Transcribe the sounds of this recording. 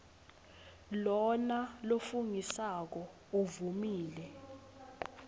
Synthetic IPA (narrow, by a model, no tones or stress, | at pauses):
lɔnalofuŋisak̬ɔ | uvumiːlɛ